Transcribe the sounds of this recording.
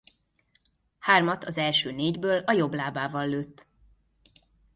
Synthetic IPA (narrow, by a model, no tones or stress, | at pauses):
haːrmɒt̪ʰɒzɛlʃøːneːɟbøːlɒjo̞blaːbaːvɒlːøːt̪ː